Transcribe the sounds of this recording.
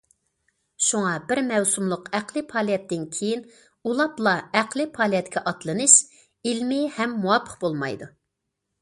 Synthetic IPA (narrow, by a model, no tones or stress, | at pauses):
ʃuŋɑbɪɾmɛwsumlˠʊqæqlɨpʰɑːlˠijɛt̪ːɪnkʲʰejin | ulˠɑplˠɑæqlˠɪpʰɑːlˠijɛt̪kʲʰɛʔɑt̪lˠɨnɨʃ | ilmɪhɛmːuwɑpʰːə̥qbolˠmɑ̰jd̪u